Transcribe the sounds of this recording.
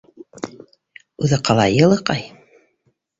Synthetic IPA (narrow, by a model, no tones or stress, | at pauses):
ʉðɤqɑlˠɑjɤ̆lˠɤqɑj